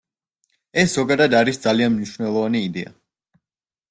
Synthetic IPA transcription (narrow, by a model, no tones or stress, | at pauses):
ɛsz̥ɔɡad̪ad̪aɾisd̪zalianmniʃwnɛlˠɔvaniːd̪ɛa̰